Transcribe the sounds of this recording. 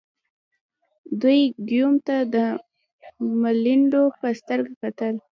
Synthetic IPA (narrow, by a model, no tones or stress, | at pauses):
d̪ujɡjumt̪ad̪ə | maliɳɖopəst̪əɾɡakat̪əl